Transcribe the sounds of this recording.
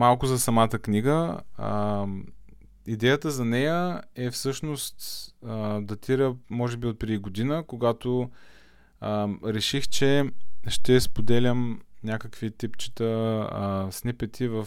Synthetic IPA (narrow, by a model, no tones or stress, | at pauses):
malˠkʊzɐsɐmat̪əkniɡəə | id̪ɛjət̪əzɐnɛjəɛfsɤʃnost̪əd̪ɐt̪iɾəmɔʒɛbiot̪̚pɾɛd̪iɡod̪inəkoɡat̪o | əɾɛʃixt͡ʃɛʃt̪ɛspod̪ɛlʲəmnʲakəkvit̪ipt͡ʃi̥t̪ə | snipɛt̪ʰivə